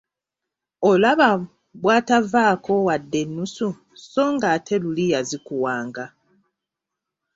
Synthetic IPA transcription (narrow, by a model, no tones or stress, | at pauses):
olaβa | βwaːtavaːko̞wadːe̞nːusu | so̞ŋɡatʰe̞lulijazikuwaːŋɡa